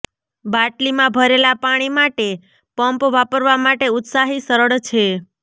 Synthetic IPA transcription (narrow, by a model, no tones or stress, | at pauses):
baʈlimãbʱəɾelapaɽ̃imaʈe | pəmpʋapəɾʋamaʈeʊt̪saɦisəɾəɭt͡ʃʰe